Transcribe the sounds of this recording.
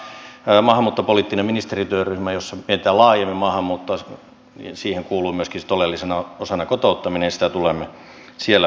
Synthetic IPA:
mɑːhɑmːuːt̪ːopoliˑt̪ːinemminist̪erit̪yørːyhmæjosːɑmieit̪ælɑːjemːimɑːhɑmːuːt̪ːoɑ̰ | siːheŋkuːluːmyøskist̪olelːisenɑosɑnɑkot̪out̪ːɑminejɑsi̥t̪æt̪ulemːe | sielːæ

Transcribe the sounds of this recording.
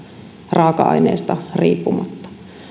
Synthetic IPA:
rʔɑːkɑɑ̰inḛːst̪ɑriːpːumɑt̪ːɑ̥

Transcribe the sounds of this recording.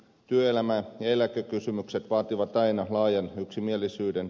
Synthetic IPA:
t̪yøelæmæjɑelækøkysymykset̪ʋɑːt̪iʋɑt̪ɑinɑlɑːjɑnyksimielːˑisyːden

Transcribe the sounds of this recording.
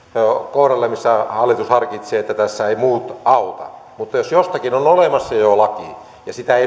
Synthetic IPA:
okohrɑlːemisːæhɑlːit̪ushɑrkit̪seːet̪ːæt̪æsːæeimuːt̪ɑut̪ɑ̰ | mut̪ːɑjosjost̪ɑkinonolemɑsːɑjolɑki | jɑsit̪æei

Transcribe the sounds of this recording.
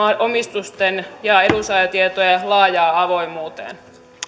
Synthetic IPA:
omist̪ust̪enjɑedusɑjɑt̪iet̪ojelɑːjɑːɑʋo̞imuːt̪ḛːn

